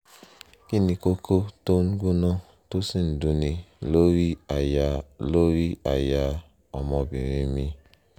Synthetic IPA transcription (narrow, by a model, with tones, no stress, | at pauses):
ki˦ni˨ko˦kʰo˦to˦ŋ̩˦ɡʷu˦no˦ | to˦si˦n̩˨du˦ni˨lo˦ɾi˦˨ja˦lo˦ɾi˦a˨ja˦ | ɔ˨mɔ˦bi˨ɾi˦mi˦